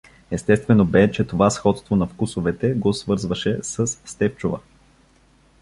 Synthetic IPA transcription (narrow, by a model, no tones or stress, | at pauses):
ɛst̪ɛst̪vɛnobɛt͡ʃɛt̪ovasxɔt̪st̪vonɐfkusovɛt̪ɛɡosvɤɾzvɐʃɛsəsːt̪ɛpt͡ʃovə̰